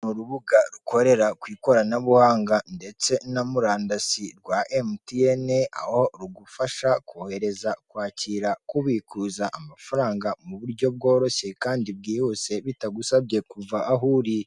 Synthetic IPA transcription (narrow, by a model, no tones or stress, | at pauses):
nuɾuβuɡaɾukʰo̞ɾe̞ɾakwiːko̞ɾanaβuhaːŋɡande̞t͡se̞namuɾaːndasiɾɡwaʔemtieneaho̞ɾuɡufaʃakohe̞ɾe̞zakwaːciɾakuβikuːzaʔamafaɾaːŋɡamuβuɾɟo̞b̚ɡo̞ːɾo̞çe̞kaːndib̚ɡiːhuse̞βitaɡusabɟe̞kuvaʔaɦuːɾi